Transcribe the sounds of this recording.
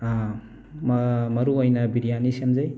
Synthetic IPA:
a | mmɐɾuɔjnɐbiɾijanisemzɐj

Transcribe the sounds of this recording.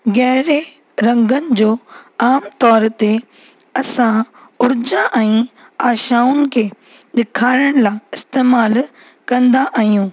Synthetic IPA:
ɣɛɦɾe | ɾɐ̃ŋɡənɪ̆d͡ʑoːaːmt̪ɔːɾt̪e | ɐsã | ʊɾɪd͡ʑãʔɛ̃ː | aːʃaːʊnɪ̆kʰe | ɗɪkʰaːɾəɽ̃laɪst̪eːmaːl | kɐ̃nd̪aʔaːɦijũː

